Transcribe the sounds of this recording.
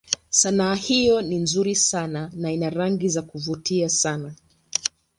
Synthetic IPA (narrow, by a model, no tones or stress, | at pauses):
sanaːhijɔninzuɾisananainaɾaŋɡizakuvutiasana